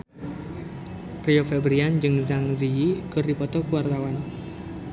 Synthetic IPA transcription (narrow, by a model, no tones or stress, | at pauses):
riofɛbɾiand͡ʒɨŋzaŋziikɨrdipɔt̪ɔkuwart̪awan